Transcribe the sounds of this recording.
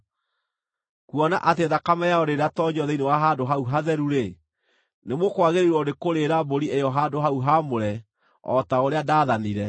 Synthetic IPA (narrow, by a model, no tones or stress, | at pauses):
kwɔna̰ʔat̬eðakamɛjaɔɾeɾatɔɲɔðɛinewaɦaːdoɦauɦaðɛɾuɾe | nemokwaɣeɾeɾwɔdekoɾeɾaboɾiejɔɦadoɦauɦamoɾɛ | ɔ̰taoɾeadaːðaniɾɛ